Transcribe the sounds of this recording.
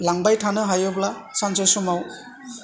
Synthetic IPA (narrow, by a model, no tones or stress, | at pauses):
laŋbajtʰanɯɦajɯblasansɔjsɔmaw